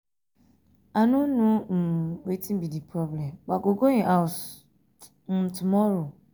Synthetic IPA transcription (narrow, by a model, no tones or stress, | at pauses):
anũnũm̩wetĩm̩bidipʰɾɔblɛ̃ɡ͡baɡoɡoĩʔaws | m̩tumɔɾo